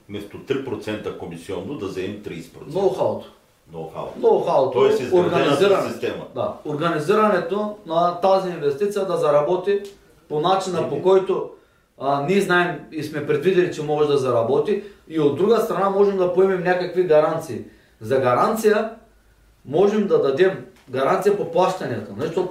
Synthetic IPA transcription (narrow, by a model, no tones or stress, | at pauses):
mɛst̪ot̪ɾipɾot̪sɛnt̪ɐkomisiɔnd̪od̪ɐzɛɛmt̪ɾiːspɾonoxalˠt̪ | no̰xa̰lˠnolxalˠt̪ɔɛsizoɾɡaniiziɾanist̪ɛmɐd̪a̰oɾɡɐniziɾɐnɛt̪onat̪aziːnvɛst̪it̪sijɐd̪ɐzɐɾabɔt̪i | ponat͡ʃinapokɔjt̪o | niɛznaɛmismɛpɾɛd̪vid̪ɛlit͡ʃɛmɔʒaʒd̪azaɾabɔt̪iiod̪ːɾuɡast̪ɾanamɔʒɛmd̪apoɛmɛmnɛkakviɡaɾant̪siː | zaɡaɾant̪sija | mɔʒɛmd̪ad̪ad̪ɛm | ɡaɾant̪sijapoplˠaʃt̪aɲɛt̪onat͡ʃit̪o